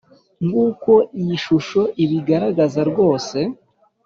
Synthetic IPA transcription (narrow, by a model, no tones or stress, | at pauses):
ŋɡuːko̞ʔijiʃuʃo̞ʔiβiɡaɾaɡazaɾɡo̞ːse̞